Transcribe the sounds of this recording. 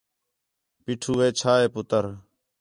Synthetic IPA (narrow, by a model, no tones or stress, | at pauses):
piːʈʰuːʋeːt͡ʃʰaːeːpʊt̪əɾ